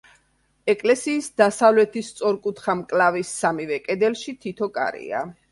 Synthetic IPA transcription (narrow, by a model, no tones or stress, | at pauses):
ɛkʼlɛsiːsd̪asavlɛt̪ʰist̪sʼɔɾkʼut̪ʰχamkʼlavisːamivɛkʼɛd̪ɛlʃit̪ʰit̪ʰɔkʼa̰ɾḭa̰